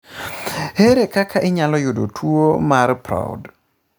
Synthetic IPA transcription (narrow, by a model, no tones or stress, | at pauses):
heɾekakʰaʔɪɲalɔjʊdo̰tʰwomaɾpɾa̰d